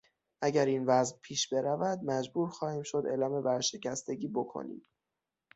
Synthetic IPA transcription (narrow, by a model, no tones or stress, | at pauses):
ʔæɟæɾiːnvæzpʰiːʃbe̞ɾævæd̪̚mæd͡ʒbuːɾxɒːhiːmʃo̞d̪e̞ːlɒːme̞bæɾʃe̞cʰæst̪e̞ɟiːbokʰo̰nḭːm